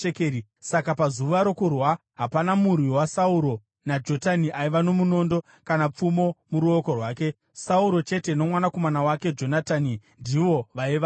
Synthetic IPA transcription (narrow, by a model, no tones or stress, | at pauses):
kei | sakapazuʋaɾo̞kurwa | ɦapanamurwiwasauɾo̞ | nad͡ʒo̞taniʔaiʋano̞muno̞ːndo̞ | kanap͡fumo̞muɾuoko̞rwaːke̞ | sauɾo̞t͡ʃe̞te̞no̞mwanako̞manawake̞d͡ʒo̞nataːnindiʋo̞ʋaiʋa